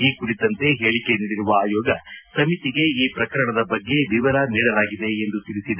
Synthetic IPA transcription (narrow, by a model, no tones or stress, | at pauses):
iːkuɽit̪ɐnt̪e̞ɦe̞ːɭike̞niːɽiɾuʋɐaːjɔːɡɐsɐmit̪iɡe̞iːpɾɐkɐɾɐɳɐd̪ɐbɐɡːe̞ʋiʋɐɾɐniːɽɐlaːɡid̪e̞ːnd̪ut̪iɾisid̪e